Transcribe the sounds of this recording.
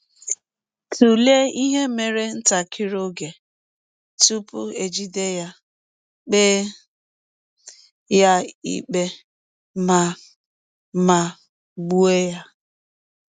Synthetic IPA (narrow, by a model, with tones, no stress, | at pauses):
tʰu˨le˦i˦ɦe˦me˨ɾe˦n̩˦ta˨kʰi˦ɾo˦ɡe˨ | tu˦pʊ˦e˨d͡ʒi˦de˦ja˦ | k͡pe˦ | ja˦ḭ˨k͡pe˦ | ma˨ | ma˨ | ɡ͡bu˦e˦ja˦